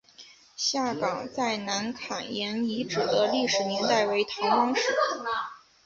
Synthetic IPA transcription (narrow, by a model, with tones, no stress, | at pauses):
ɕja˥˩kɑ˨˩ŋt͡sa˥˩ɪna˧˥nkʰa˨˩ŋjɛ˧˥ni˧˥ʈ͡ʂɻ̩˨˩d̪ə˦li˥˩ʂɻ̩˨˩njɛ˧˥nt̪a˥˩ɪwe˧˥ɪt̪ʰɑ˧˥ŋkɑ˥ŋʂ̩˧˥